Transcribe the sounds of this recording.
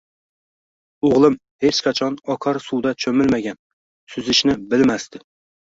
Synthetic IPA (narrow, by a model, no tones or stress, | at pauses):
oʁlˠɨm | het͡ʃqʰɑt͡ʃʰɑnɒkʰɑɾsud̪ɑt͡ʃʰømɪlmæɡʲɛn | syzɪʃnɪbɪlmæst̪ɪ